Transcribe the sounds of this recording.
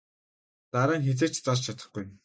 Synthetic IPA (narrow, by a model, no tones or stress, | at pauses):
t̪aɾaːŋxet͡seːrt͡ɕt͡sart͡ɕt͡ɕʰat̪ə̆χɡuj